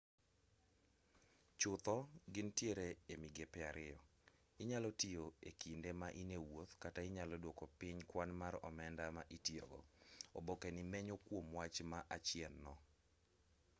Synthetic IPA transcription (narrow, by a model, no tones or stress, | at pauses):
t͡ʃʊt̪ɔɡɪntjeɾeemiɡepɛaɾɪjɔ | ɪɲalɔtioekindemaʔinewot̪kataɪɲalɔdwokɔpɪɲkwanmarɔ̰mɛndamaʔitjo̰ɡɔ̰ɔ̰bɔkenimɛɲokwomwat͡ʃmaʔat͡ʃɪɛnːɔ